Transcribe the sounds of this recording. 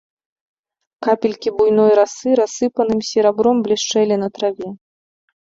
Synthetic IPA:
kapʲilʲkʲibujnɔjɾasɨɾasːɨpɐnɨmsʲɛɾabɾɔmblʲiʂt͡ʂɛlʲɛnɐt̪ɾavʲɛ

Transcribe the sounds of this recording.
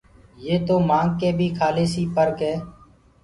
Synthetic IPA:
jeːt̪oːmãːŋɡ̚keːbʱiːkʰaːleːsiːpəɾkɦɛː

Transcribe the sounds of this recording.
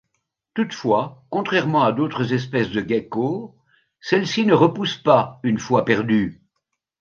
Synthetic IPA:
t̪ut̪fwakɔ̃t̪χɛʁmɑ̃ad̪ot̪χəzɛspɛsd̪əɡako | sɛlsinəʁəpuspaynfwapɛʁd̪y

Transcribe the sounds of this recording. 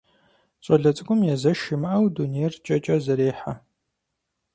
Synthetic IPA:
ɕʼɐɮɐt͡sʼɨkʷʼʊmjɛzɐʃɪmɐʔɐwdunejrt͡ʃʼɐt͡ʃʼɐzɐɾeːħa

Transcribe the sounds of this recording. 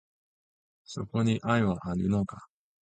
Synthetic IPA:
so̞̰ko̞ɲ̟iʔaiβaʔaɾʲɯnoka

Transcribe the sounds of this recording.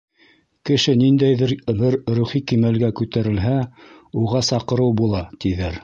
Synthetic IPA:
kɘ̆ʃɘnind̪æjðɘɾbɘɾɾuχikimælɡækʉt̪æɾɘ̆lɦæ | uʁɑsɑqɤ̆ɾɤwbulˠɑt̪iðæɾ

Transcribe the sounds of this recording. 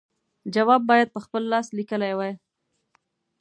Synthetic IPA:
d͡ʒawɑbːɑjad̪̚pəxpəlːɑslikəlajwaj

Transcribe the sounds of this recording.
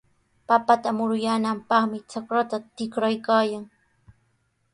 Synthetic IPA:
papat̪amʊɾʊjaːnampɑχmɪt͡ʃakɾat̪at̪ɪkɾajkaːjaŋ

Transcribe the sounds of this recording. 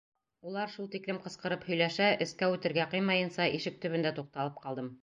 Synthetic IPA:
ulˠɑɾʃulˠt̪iklɘmqɤ̆sqɤ̆ɾɤphɵ̆jlæʃæʔɘ̆skæʉt̪ɘ̆ɾɡæqɤjmɑjɤ̆nsɑʔiʃɘk̚t̪ɵ̆βɵ̆nd̪æt̪uq̚t̪ɑlˠɤp̚qɑlˠd̪ɤm

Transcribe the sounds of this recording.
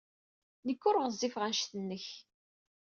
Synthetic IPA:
nəkːʊɾʁzˤːifʁænʃθənːəç

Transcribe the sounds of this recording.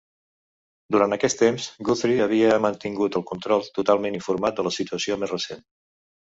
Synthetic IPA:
d̪uɾant̪əkɛst̪emzɡuθɾiəβ̞iəmənt̪iŋɡut̪əlˠkunt̪ɾɔlˠt̪ut̪alˠmeniɱfuɾmat̪̚d̪ələsit̪uəsiomezrəsen

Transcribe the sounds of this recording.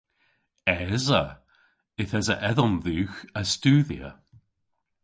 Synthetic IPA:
ɛzə | ɪθɛzə̰ʔɛðɔnðuːxəstuːðiə̰

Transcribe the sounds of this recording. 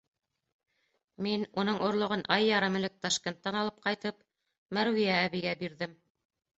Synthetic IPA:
minunɤɴʔŏɾlˠŏʁɤnʔɑjːɑɾɑmɘ̆lɘk̚t̪ɑʃkʲent̪ːɑnɑlˠɤp̚qɑjt̪ɤp | mæɾwijæːβiɡæbiɾðɘm

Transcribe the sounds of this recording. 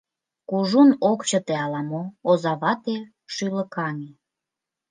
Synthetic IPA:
kuʒunokt͡ɕət̪eɑlɑmoozɑβɑt̪e | ʃyləkɑne

